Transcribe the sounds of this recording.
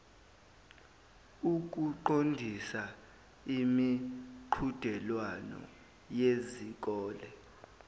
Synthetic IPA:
uk̬uǃondʱisa | imiǃʰud̥ʱɛlwanɔ̰ | jezik̬ʼɔːlɛ

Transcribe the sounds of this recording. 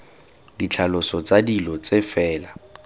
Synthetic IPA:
dit͡ɬʰalʊsɔt͡sadilɔt͡sefɛːla

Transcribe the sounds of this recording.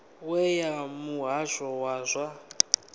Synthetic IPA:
wɛjamuɦaʃɔwaːzʷa

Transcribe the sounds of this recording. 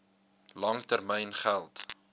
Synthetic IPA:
lɐŋtərmɛjnχælˠt

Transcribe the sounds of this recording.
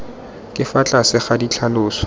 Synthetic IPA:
kʼɪfat͡ɬʼasɪχadit͡ɬʰalʊːsɔ̥

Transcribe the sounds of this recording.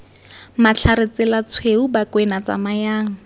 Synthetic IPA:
mat͡ɬʰaɾɪt͡sɪlat͡sʰweubakwenat͡sa̰majaːŋ̩

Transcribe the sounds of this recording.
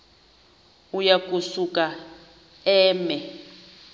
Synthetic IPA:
ujak̬ʼusuka | ɛːmɛ

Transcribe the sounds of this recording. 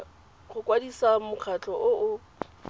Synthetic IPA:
χʊkʼwadisamʊk͡xʰat͡ɬʼɔʔʊʊ

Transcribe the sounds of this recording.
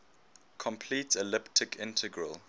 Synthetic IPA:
kʰɔ̃mpʰlitɛlɪptʰɪkʰɪ̃ntʰəɡɹəl

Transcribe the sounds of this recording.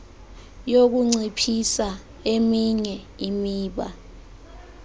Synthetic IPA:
jok̬uŋ͡ǀipʰisa | emiɲɛ | imiːɓa̰

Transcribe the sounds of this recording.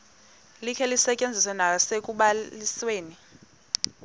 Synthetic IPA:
likʰɛlisɛcʼend͡zʱiswɛnasek̬ʼuɓalisweːni

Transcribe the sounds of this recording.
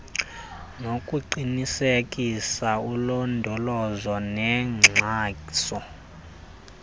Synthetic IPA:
nokʼuǃinisekʼisaulɔndʱɔlɔzɔnɛŋ͡ǁʱaːsɔ

